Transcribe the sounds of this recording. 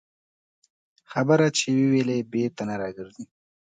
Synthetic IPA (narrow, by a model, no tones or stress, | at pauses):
xabəɾat͡ʃewewelebet̪anaɾɑɡəɾzi